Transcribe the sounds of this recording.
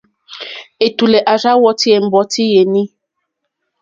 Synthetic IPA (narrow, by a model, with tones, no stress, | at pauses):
e˨tu˨lɛ˨ʔa˨za˦wɔ˦ti˦e˨m̩˨˦bɔ˨˦tʰi˦je˨nĩ˦